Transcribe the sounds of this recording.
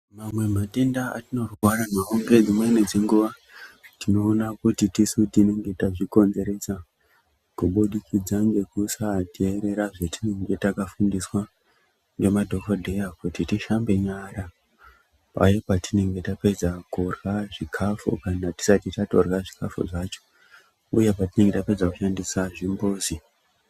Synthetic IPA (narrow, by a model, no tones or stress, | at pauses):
mamwe̞mate̞ndaa̰tino̞rwaɾanaoŋɡe̞d͡zimwened͡zeŋɡuʋa | tino̞ːnakutitisutine̞ŋɡe̞taʐiko̞nze̞ɾe̞sa | kuɓuɗikʰid͡zaŋɡe̞kusatieɾe̞ɾaʐe̞tine̞ŋɡe̞takafundiswa | ŋɡe̞madʱo̞kodʱe̞jakutitiʃambe̞ɲaɾa | pa̰jepatine̞ŋɡe̞tape̞d͡zakorɣaʐikʰafṵkanati̥satitato̞rɣaʐikafṵʐaːt͡ʃo̞̥ | ṵje̞patine̞ŋɡe̞tape̞d͡zaku̥ʃandisaʐimboːzi